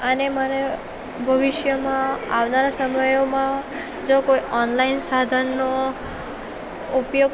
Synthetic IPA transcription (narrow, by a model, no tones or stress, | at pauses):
əneməne | bʱəʋiʃjəmãaʋnaɾasəməjomã | d͡ʒokoiʔɔnlainsad̪ʱənːo | upjoɡ